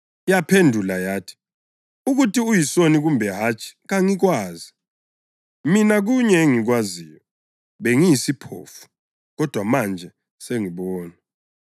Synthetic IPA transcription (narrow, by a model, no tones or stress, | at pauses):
japʰendʱulajaːtʰi̥ | uɣutʰiujisoniɣumbʱɛɦat͡ʃʰʼi̥ɣaŋiɣwaːzi | minaɣ̬uɲɛeŋiɣwazijɔ | βeŋijisipʰo̰ːfu̥ | ɣɔd̥ʱwamand͡ʒʱɛ | seŋiɓɔːna